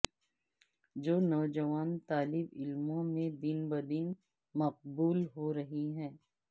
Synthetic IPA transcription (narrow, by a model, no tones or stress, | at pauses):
d͡ʒoːnɔːd͡ʒɐʋaːnt̪aːlɪbɪlmõmẽd̪ɪnbɐd̪ɪn | mɐq̚buːlɦoɾɐɦiɦɛ̃ː